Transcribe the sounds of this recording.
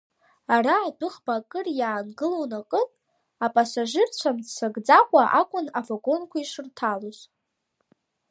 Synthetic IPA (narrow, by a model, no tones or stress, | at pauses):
araːdʊχbakʼɨrjaːnɡɨlownakʼɨntʼ | apʼasaʒɪrt͡ɕʷʰamsaɡd͡zakʷʼaʔakʷʼʊnavaɡo̞nkʷʰaiʂɨrtʰaloz